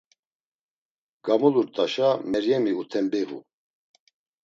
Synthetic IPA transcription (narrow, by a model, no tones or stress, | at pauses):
ɡ̥amuluɾt̪ʼaʃamɛɾjɛmiut̪ʰɛmbiɣṵ